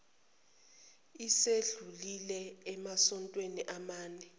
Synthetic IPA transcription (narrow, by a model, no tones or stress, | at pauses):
iseɮulilɛɛmasɔntʼweniʔamaːnɛ